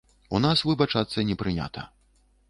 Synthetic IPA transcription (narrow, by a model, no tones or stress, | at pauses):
unasvɨbɐt͡ʂat̪sːɐnʲɛpɾɨnʲa̰t̪ʰɐ̰